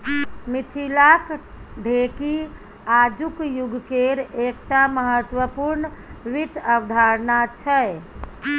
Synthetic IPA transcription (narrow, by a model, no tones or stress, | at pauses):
mit̪ʰilak | ɖʱeki | ad͡ʒukjuɡkeɾek̚ʈaməɦət̪wəpuɾnʋit̪əʋd̪ʱaɾnat͡ʃʰəj